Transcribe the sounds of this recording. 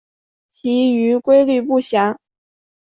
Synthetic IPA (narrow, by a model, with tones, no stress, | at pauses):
t͡ɕʰi˧˥y˧˥kwe˥ɪly˥˧pu˥˩ɕja˧˥ŋ